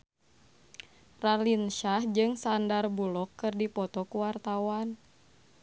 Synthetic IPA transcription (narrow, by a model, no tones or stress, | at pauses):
ralinʃahd͡ʒɨŋsandarbulɔkːɨrdipɔt̪ɔkuwart̪awan